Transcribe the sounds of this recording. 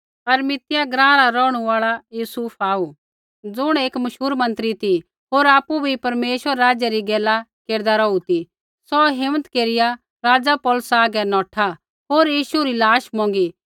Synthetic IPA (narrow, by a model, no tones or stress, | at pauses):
ɐɾmɪt̪ɪjaɡɾãːɾaɾɔːɽ̃uaːɭajuːsuːpʰaːu | d͡zʊɽ̃eːkmɐʃuːɾmɐ̃nt̪ɾit̪i | ɦoːɾaːpːubʱipɐɾmeːʃʋəɾːaːd͡ʒjaɾiɡɛːlakeːɾd̪aɾɔut̪i | sɔɦɪmət̪keːɾɪja | ɾaːd͡zapɔːlsaːɡɛnɔːʈʰa | ɦoːɾjiːʃuɾilaːʃmɔ̃ːŋ̆ɡi